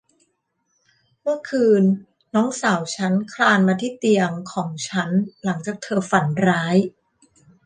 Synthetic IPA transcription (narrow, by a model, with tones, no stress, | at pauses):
mɯ˥˩ɐkʰɯː˧nː | ɔː˦˥ŋsaː˩˦wt͡ɕʰa˦˥nkʰlaː˧nmaː˧t̪ʰiː˥˩t̪i˧əŋkʰɔː˩˦ŋt͡ɕʰa˦˥nla˩˦ŋt͡ɕaː˨˩k̚t̪ʰɤː˧fa˩˦nɾaː˦˥j